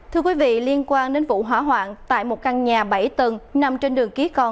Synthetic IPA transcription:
t̪ʰɨ˧əkwi˨˦vḭ˧˨li˧ənkwaː˧nɗe˨˦nvṵ˧˨ɦwaː˧˩ɦwa̰ː˧˨ŋt̪a̰ː˧˨jmo˨˩t̚ka˧nɲaː˨˩ɓa˧˩jt̪wə˨˩nna˧mt͡ɕe˧nɗɨ˨˩əŋki˨˦əkɔ˧n

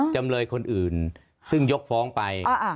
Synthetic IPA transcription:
t͡ɕa˧mlɤː˧jkʰo˧nʔɯː˨˩n | sɯ˥˩ŋjo˦˥k̚fɔː˦˥ŋpa˧j

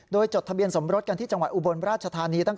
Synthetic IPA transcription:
doː˧jt͡ɕo˨˩t̪ʰːbi˧ənso˩˦mɾo˦˥t̪̚ka˧nt̪ʰiː˥˩t͡ɕa˧ŋwa˨˩t̪ʔu˧bo˧nɾaː˥˩t̪̚t͡ɕʰa˧t̪ʰaː˧niː˧t̪a˥˩ŋ

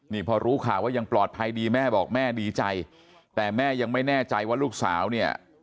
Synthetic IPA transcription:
niː˥˩pʰɔː˧ɾuː˦˥kʰaː˨˩waː˥˩ja˧ŋplɔː˨˩t̪̚pʰa˧jdiː˧mɛː˥˩bɔː˨˩k̚mɛː˥˩diː˧t͡ɕa˧j | t̪ɛː˨˩mɛː˥˩ja˧ŋma˥˩jnɛː˥˩t͡ɕa˧jwaː˥˩luː˥˩k̚sa̰ː˩˦wni˥˩ɐ

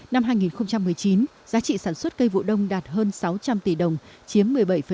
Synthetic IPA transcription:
na˧mɦaː˧jŋi˨˩nxə˧wŋ͡mt͡ɕa˧mːɨ˨˩əjt͡ɕi˨˦n | zaː˨˦t͡ɕḭ˧˨saː˧˩nswə˦˥t̚kə˧jvṵ˧˨ɗə˧wŋ͡mɗaː˨˩t̚ɦəː˧nsa˨˦wt͡ɕa˧mt̪i˧˩ɗə˨˩wŋ͡mt͡ɕi˨˦əmːɨ˨˩əjɓa˧˩jfə˨˩

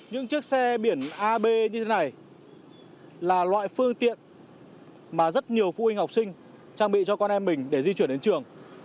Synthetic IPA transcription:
ɲɨ̰˧˥ŋt͡ɕɨ˦˥ək̚sɛ˧ɓi˧˩ənʔaː˧ɓe˧ɲɨ˧t̪ʰe˨˦na˨˩j | laː˨˩lwa̰ː˧˨jfɨ˧əŋt̪ḭ˧˨ən | maː˨˩zə˦˥t̚ɲi˨˩əwfṵ˧hi˧ŋ̟ha˨˩k͡p̚sï˧ŋ̟ | t͡ɕaː˧ŋɓḭ˧˨t͡ɕɔ˧kɔ˧nʔɛ˧mːï˨˩ŋ̟ɗe˧˩zi˧t͡ɕwi˧˩ənɗe˨˦nt͡ɕɨ˨˩əŋ

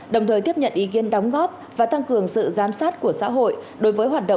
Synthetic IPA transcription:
ɗə˨˩wt̪ʰəː˨˩jt̪i˦˥pɲə̰˧˨nʔi˨˦ki˨˦ənɗa˨˦wŋ͡mɣɔ˦˥p̚ | vaː˨˩t̪a˧ŋkɨ˨˩əŋsɨ̰˧˨zaː˨˦msaː˦˥t̚ku˧˩əsa̰ː˧˥ɦo̰˧˨jɗo˨˦jvəː˨˦jɦwaː˨˩t̚ɗə̰˧˨

